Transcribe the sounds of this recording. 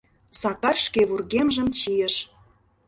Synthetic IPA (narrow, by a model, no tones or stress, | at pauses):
sɑkɑrʃkeβurɣemʒə̆mt͡ɕijə̆ʃ